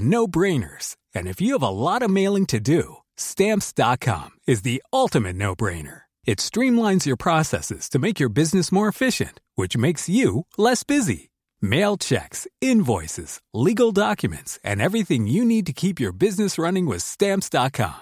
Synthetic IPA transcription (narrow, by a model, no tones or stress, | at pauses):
noʊbɹẽɪ̃nə̰˞z̥ | ɨ̰̃nɨfjɨːvəlɔɾʌmeɪlˠɪ̃ŋtʰɨdɨ | stæ̃mpsd̥ɑt̚kʰɑ̰̃mɨzðiʌlˠtɨmɨtⁿnoʊbɹḛ̃ɪ̃nə̰˞ | ɨtstɹ̥ĩmlãɪ̃nzjə˞pʰɹ̥ɑsɛ̰sɨ̰z̥tʰɨmeɪkjə˞bɪznɨsmɔɹɨfɪʃɨ̰̃ntwɨt͡ʃmeɪksjɨlɛsb̥ɪzḭ | meɪlˠt͡ʃʰɛ̰ksɪ̃nvɔɪsɨ̰z̥liɡl̩ˠdɑkjɨmɨ̰̃ntsɨ̰̃nɛvɹiθɪ̃ŋjɨnid̚tɨkʰipjə˞bɪznɨsɹʌnɪ̃ŋwɪð̥stæ̃mpsd̥ɑt̚kʰɑ̰̃m